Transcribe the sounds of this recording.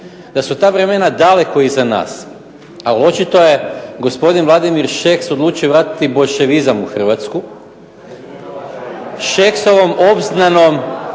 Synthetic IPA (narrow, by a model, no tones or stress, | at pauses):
d̪asut̪aːʋɾe̞me̞nad̪ale̞ko̞izana̰ːs | alo̞t͡ʃit̪o̞je̞ɡo̞spo̞d̪inʋlˠad̪imiɾʃekso̞d̪lˠuːt͡ʃijoʋɾaːt̪i̥t̪ibo̞jʃe̞ʋizamuxr̩ʋat̪sku | ʃekso̞ʋo̞mo̞bznano̞m